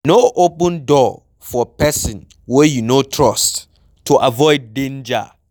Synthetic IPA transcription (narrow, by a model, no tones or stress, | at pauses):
noʔopə̃ndɔ | fɔpʰɛsɪ̃n | wɛjunotʰɹɔst | tʰuʔavɔɪd̚ːẽnd͡ʒa̰